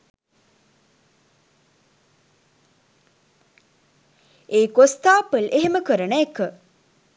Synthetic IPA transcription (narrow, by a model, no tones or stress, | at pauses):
eːkost̪aːpəleɦeməkəɾənəekə